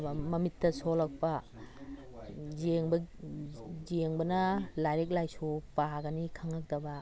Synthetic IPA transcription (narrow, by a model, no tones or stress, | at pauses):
mɐmitːɐsolak̚pa | zeŋbɐ | zeŋbɐnɐlajɾek̬̚lajsupaɡanikʰaŋak̚dɐba